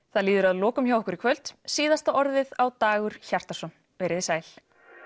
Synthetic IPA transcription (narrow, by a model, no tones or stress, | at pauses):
θaðliːðʏɾaðlɔːkʏmçawhɪkʏɾikʰvœl̥t̪siːðast̪aʔɔɾðɪðawt̪aːɣʏɾ̥çar̥t̪asɔn | vɛːjɾɪðɪsaːjl̥